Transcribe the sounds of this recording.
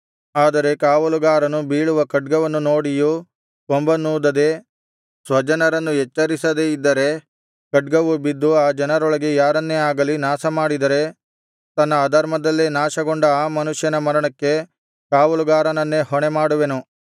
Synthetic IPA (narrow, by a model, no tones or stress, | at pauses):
aːd̪ɐɾe̞kaːʋɐluɡaːɾɐnubiːɭuʋɐkɐɖ̚ɡɐʋɐnːuno̞ːɽiju | ombɐnuːd̪ɐd̪e̞ | sʋɐd͡ʒɐnɐɾɐnːujɛt͡ʃːɐɾisɐd̪eid̪ːɐɾe̞ | kɐɖ̚ɡɐʋubid̪ːuaːd͡ʒɐnɐɾoɭɐɡejaːɾɐnːeaːɡɐlinaːsɐmaːɽid̪ɐɾe̞ | t̪ɐnːɐːd̪ʱɐɾmɐd̪ɐlːenaːʃɐɡoɳɖɐaːmɐnuʂjɐnɐmɐɾɐɳɐkːe̞ | kaːʋɐluɡaːɾɐnɐnːe̞ɦɔɳemaːɽuʋe̞nu